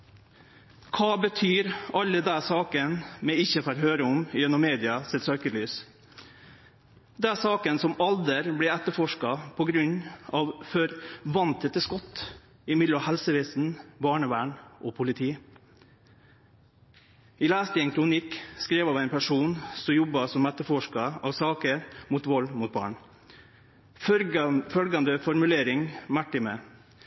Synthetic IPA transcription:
kʰɑːbət̪ʰyːɾɑlːəd̪æsɑːkənmɛɪçːəfɑɾɦøːɾəɔmjɛnːɔmːeːd̪ɪɑsɛt̪søːkəlyːs | d̪ɛsɑːkənsɔmɑld̪əɾblɛɛt̪ːəfɔʂkɑpʰɔɡɾʉɲɑːʋfœɾʋɑnt̪ət̪ːəskɔt̪ː | ɪmɪd̪ləɑhɛlsəʋɛːsn̩bɑːɳəʋæːɳʔɔpʰʊlɪt̪ʰiː | ɪlæːst̪ɪɛŋkʰɾʊnɪkskɾeːʋɑːʋæɪnpʰæʂuːnsɔjɔbɑsɔmɛt̪ːəɾfɔʂkɑɑʋsɑːkəɾmut̪ʋɔlmʊːt̪̚bɑ̰ːɳ | fœlɡɑnd̪əfɔɾmʉleːɾɪŋmɑʈɪmə

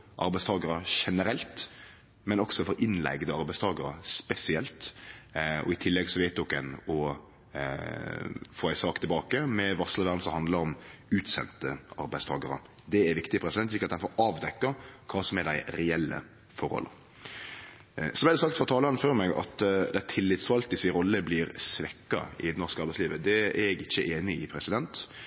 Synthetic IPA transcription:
ʔɑ̰ɾbæɪst̪ʰɑːɡəɾəʃɛnəɾɛlt̪ | mɛnɔksɔfɔɾɪnlæ̰ɪɡd̪əɑɾbæɪst̪ʰɑːɡəɾəspɛsɪɛlt̪ | ɔ̰ɪt̪ʰɪlːɛɡsɔʋæɪt̪̚d̪ɔkːɛnɔ | foːæɪsɑːkt̪ʰɪlbɑːkəmɛʋɑsləʋæːʁnsəhɑnd̪ləɾɔmʉːt̪sɛ̰nt̪əɑɾbæɪst̪ʰɑ̰ːɡəɾə̰d̪ɛæɾʋɪkt̪ɪpʰɾɛsɪd̪ɛnslikːəɑt̪dɛnfɔɾɑːʋd̪ɛkːɑkʰɑːsɔmɛɾd̪æɪɾɛɛlːə̰ | fɔɾhɔ̰lːə̰ɾ | sɔmɛæɾd̪ɛsɑk̚t̪fɾɑt̪ʰɑːlɑnføɾmɛɡɑ̰t̪d̪æt̪ʰɪlːɪt̪sfɑlt̪əsɪɾɔlːəblɪɾsʋɛkːɑ̰ɪ̰nɔʁskəɑɾbæɪsliːʋəd̪ɛæɛɡɪçːəʔeːnɪɪpʰɾɛsɪd̪ɛnt̪

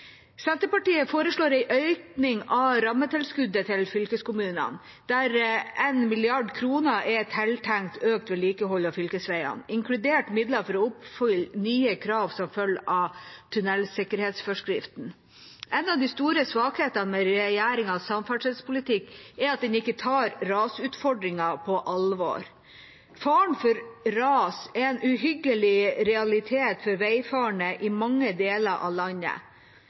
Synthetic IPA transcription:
sɛnt̪əpɑʈiːəfoːɾəʂɭoːɾæɪʔœʏknɪŋɑɾɑmːət̪ʰɪlskʉd̪ət̪ʰɪlfʏlkəskʊmʉːnə̰n | d̪̥æɾɛnmɪlɪɑɖkʰɾuːnəʔɛt̪ʰɛlt̪ʰæŋkt̪ʰøːk̚t̪ʋɛːliːkəɦɔlːɑfʏlkəsʋæɪɑ̰nɪŋkʰlʉd̪eːʈmɪd̪ləɾfɔɾɔʊpfʏlnyːəkʰɾɑːʋsɔmfœlːɑt̪ʰʉnɛlsɪkəɾheːt̪sfɔʂkɾɪft̪n̩ | ʔɛnːɑʋd̪iːst̪uːɾəsʋɑːkheːt̪ɑnmɛɾɛjæːɾɪŋɑsɑmfɑʂɛd̪spʊlɪt̪ɪkːɛɾɑt̪̚d̪ɛnɪkːət̪ʰɑːɾɾɑːsʉːt̪fɔɖɾɪŋɑpʰɔʔɑlʋo̰ːɾ | fɑːɳfɔɾɾɑːsɛɾɛnʔʉɦʏɡəlɪɾɛɑlɪt̪ʰeːt̪fɔɾʋæɪfɑːɳəʔɪmɑŋːəd̪eːləɾʔɑ̰lɑɲːə̰

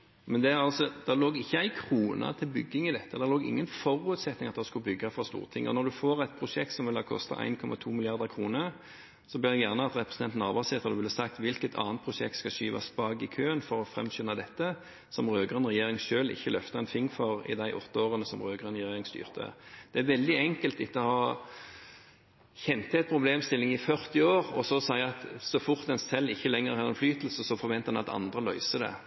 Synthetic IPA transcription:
mɛnd̪ɛæʁɑlsɔd̪̥ɛloːɡɪçːəæɪkʰɾuːnʔɑ̰t̪ʰɪlbʏɡːɪŋɪd̪ɛt̪ːəd̪ɛʁloːɡɪ̰ŋːənfɔɾʉʉt̪sɛt̪nɪŋɑt̪̚d̪ɑskʉbʏɡːɑfʁɑst̪ṵːʁət̪ʰɪŋːɔ̰nɔd̪ʉfoːʁæɪt̪̚pʰɾʊʃɛk̚t̪sɔmʋɪlhɑkʰɔ̰st̪ɑ̰ʔæ̰ɪnkʰɔmʔɑt̪ʰuːmɪlɪɑʁd̪əkʰɾuːnə | sɔbeːʁd̪ɛjæʁnəɑt̪ɾɛpɾəsn̩ɛnt̪nɑʁbɑːseːt̪əʁd̪ʋɪlːɑsɑk̚t̪ʋɪlkət̪ʰɑ̰ːnt̪̚pʰɾʊʃɛk̚t̪skɑʃyːʋɑ̰spɑːɡɪkʰøːənfɔɾɔfʁɛ̰mɕʏnɑd̪ɛt̪ːə | sɔmʁøːɡʁənʁɛjeːʁɪŋʃøːlɪ̰çːəlœft̪ɑɛnfɪŋːfɔʁɪ̰d̪æɪʔɔt̪ːəoːʁənəsɔmʁøːɡʁənʁjeːʁɪŋst̪y̰ːʁt̪ʰə̰d̪̥ɛæʁʋɛld̪ɪɛŋkəlt̪ɪt̪ːəɔhɑ | çɛnt̪əɛt̪̚pʰʁʊbleːmst̪ɪlːɪŋɪfœʁt̪ɪoːʁɔsɔsɑɪɑt̪sɔfʊʁt̪ɛnsɛlːɪçːəlɛŋːəʁhɑːʁɛnflyːt̪əl̩səsɔfɔʁʋɛnt̪əd̪ɛnɑt̪ɑ̰nd̪ʁəlœ̰ʏsəd̪ɛ̰

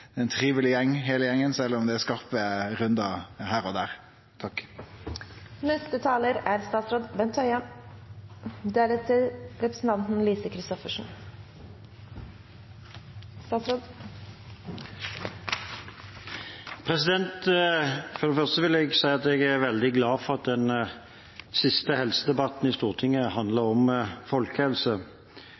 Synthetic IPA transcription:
ɛɛnt̪ʰʁiːʋəlɪjɛŋːɦeːləjɛŋːənsɛlːɔmd̪ɛæskɑʁpəʁʉnd̪ɑhæːʁɔd̪æːʁ | t̪ʰɑkː | nɛst̪ət̪ʰɑːləɾæɾst̪ɑːt̪sɾoːd̪ʋɛnt̪ʰœʏəm | d̪eːɾət̪ʰɪlɾɛpɾəsn̩t̪ʰɑnt̪n̩liːsəkʰɾɪst̪ɔfəʂn̩ | st̪ɑːt̪sɾoːd̪ | pʰʁɛsɪd̪ɛnt̪ | fɔɾɛfœʁst̪əʋɪlɛɡsæɪɑt̪ɛɡæʋɛld̪ɪɡlɑːfɔʁɑt̪̚d̪ɛn | sɪst̪əhɛlsəd̪ɛbɑt̪nɪst̪uːʁt̪ʰɪŋəhɑnd̪ləɾɔmfɔlkəhɛlsə

